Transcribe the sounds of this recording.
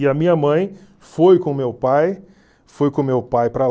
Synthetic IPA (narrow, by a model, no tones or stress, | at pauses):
iɐmĩɲɐmɐ̃j̃ | fojkõmewpaj | fojkõmewpajpɾɐ